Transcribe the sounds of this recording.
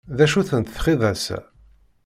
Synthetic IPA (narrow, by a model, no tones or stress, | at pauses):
ðæʃuθənt̪θχiðˤæsæ̰